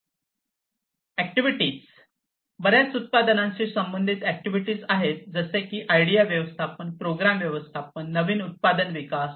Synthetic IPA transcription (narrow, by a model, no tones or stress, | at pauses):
æk̚ʈiʋiʈiːt͡s | bəɾjat͡sut̪̚pad̪ənãɲt͡ɕiːsəmbənd̪ʱiːt̪æk̚ʈiʋiʈiːd͡zaɦet̪̚d͡zəsekiːʔajɽijaʋjəʋəst̪ʰapənpɾoɡɾamʋjəʋəst̪ʰapənːəʋiːnut̪̚pad̪ənʋikas